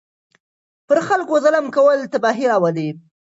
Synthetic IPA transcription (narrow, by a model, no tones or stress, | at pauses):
pəɾxalkozaləmkawəlt̪abɑɦiɾɑwali